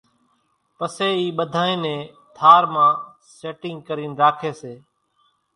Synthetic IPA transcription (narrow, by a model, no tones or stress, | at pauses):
pəseːiːɓəd̪ʱaːẽːnẽː | t̪ʰaːɾmãː | seːʈɪ̃ŋɡ̚kəɾiːnɾaːkʰeːseː